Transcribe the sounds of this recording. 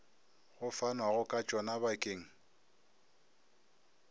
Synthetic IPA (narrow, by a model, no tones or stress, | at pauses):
ɣʊfanwaɣʊkʼat͡ʃʼɔnabakʼeːŋ̩